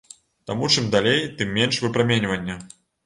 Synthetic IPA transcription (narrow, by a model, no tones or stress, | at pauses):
t̪amut͡ʂɨmd̪alʲejt̪ɨmːʲenʂvɨpɾamʲenʲvɐnʲːɐ